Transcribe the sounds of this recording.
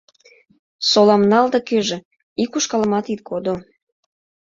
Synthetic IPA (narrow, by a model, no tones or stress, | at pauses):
solɑmnɑld̪ɑkøʒĕ | ikuʃkɑlə̆mɑt̪it̪̚kod̪o